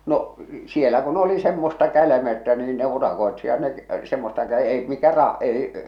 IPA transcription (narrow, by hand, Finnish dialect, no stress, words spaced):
no sielæ kun oli semːostɑ kælæmey̆tːæ niːn ne urɑkoetsijɑt ne semːostɑ kæ ei mikæ rɑ ei